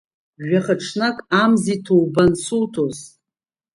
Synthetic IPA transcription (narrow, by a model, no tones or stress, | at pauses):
ʒᶣaχaʈ͡ʂʰnakʼamzitʰowbansuwtʰoz